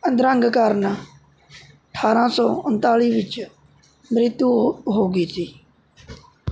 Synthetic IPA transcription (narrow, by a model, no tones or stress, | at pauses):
ənd̪ɾə̃ŋɡkaːɾna | əʈʰːaːɾãːsɔːʊnt̪aːliːʋɪt͡ʃ | mɾɪt̪juːɦoːɡiːsiː